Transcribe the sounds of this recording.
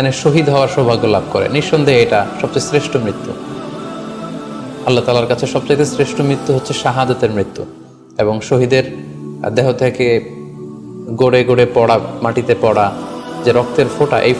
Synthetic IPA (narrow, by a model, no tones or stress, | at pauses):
aneʃoɦid̪ɦɔoaɾʃɔbʱaɡːolab̚ʱkoɾḛniʃːond̪ʱeejʈaʃɔb̚t͡ɕajsɾeʃʈomɾit̪ːu | alːat̪aːlaɾkat͡ɕʰeʃɔb̚t͡ɕajt̪esɾeʃʈomɾit̪ːuɦotːɕʰeʃaɦad͡ʑot̪eɾmɾit̪ːṵ | eboŋʃoɦid̪eɾ | d̪ɛɦot̪ʰeke | ɡoɽeɡoɽepɔɽamaʈit̪epɔɽad͡ʑeɾɔk̚t̪eɾfoʈa̰ʔej